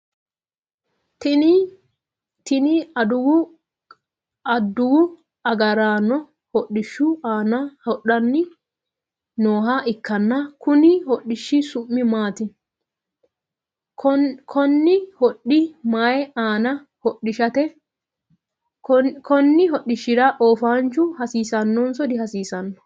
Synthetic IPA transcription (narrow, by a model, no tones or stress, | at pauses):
t̪ɪnɪ | t̪ɪnɪɐd̪ʊwʊ | ɐd̪ːʊwʊ | ɐɡɐɾaːnːɔ | hɔɗːɪʃːʊaːnɐhɔɗɐnːɪ | noːɦaʔɪkːɐnːɐkʊnɪhɔɗːɪʃːɪsʊmːɪmaːt̪ɪ | kkʰɔnːɪhɔɗɪmajɛaːnɐ | hɔɗːɪʃɐt̪ɛ | kɔnːɪɦɔɗːɪʃːɪɾɐʔoːfaːnt͡ʃʊhɐsiːsɐnːɔnsɔd̪ɪhɐsiːsɐnːɔ̥